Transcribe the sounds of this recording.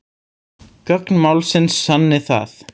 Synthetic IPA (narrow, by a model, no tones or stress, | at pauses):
kœknmawlsɪnsːanːɪθa̰θ